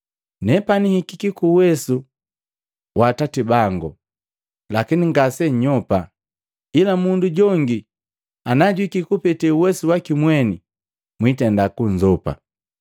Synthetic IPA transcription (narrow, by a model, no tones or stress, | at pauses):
nɛpanihikikikuwɛsu | watatibaŋɡu | lakiniŋɡasɛɲɔpa | ilamunduɟɔŋɡi | anaɟwikikupɛtɛuwɛsuwakimwɛni | mwitɛndakuɲd͡ʒɔpa̰